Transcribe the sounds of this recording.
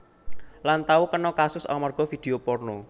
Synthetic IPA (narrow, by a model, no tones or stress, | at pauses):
lant̪awukənɔkasʊsa̰marɡ̥ɔ̤fid̪̥e̤oporno